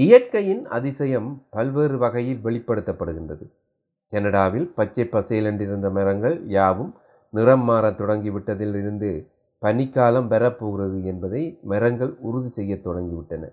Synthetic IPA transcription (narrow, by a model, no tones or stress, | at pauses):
ɪjɐɾkɐjɪnɐ̰ðɪsɐjɐmpɐlʋeːɾɯʋɐɣɐjɪlʋɛɭɪpːɐɽɯt̪ːɐpːɐɽɯɣɪndrɐðɯ | kɛnɐɽaːʋɪlpɐt͡ʃːɐɪpːɐseːlɐɳɖɪɾɯnd̪ɐmɛɾɐŋɡɐɭjaːʋɯm | nɪrɐmːaːɾɐt̪ːɔɽɐŋɡiʋɪʈːɐðɪlɪɾɯnd̪ɯ | pɐnɪkːaːlɐmʋɛɾɐpːoːɣɪrɐðɯɛnbɐðɐɪmɛɾɐŋɡɐɭʊɾʊðisɛjːɐt̪ːɔɽɐŋɡiʋɪʈːɐnɐ̰